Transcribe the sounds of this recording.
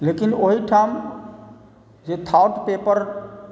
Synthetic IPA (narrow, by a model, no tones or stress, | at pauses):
lekinoɦiʈʰam | d͡ʒet̪ʰauʈpepəɾ